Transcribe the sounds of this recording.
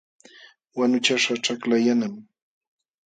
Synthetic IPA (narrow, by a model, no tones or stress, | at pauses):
wanʊt͡ʃaʂaʈ͡ʂaklajanam